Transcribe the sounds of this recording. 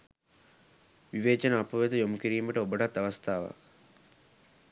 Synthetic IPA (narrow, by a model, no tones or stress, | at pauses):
ʋiʋeːt͡ʃɐnəːpɐʋed̪ujomukiɾiːməʈəobəʈɐt̪ːɐʋɐst̪ʰaːʋa̰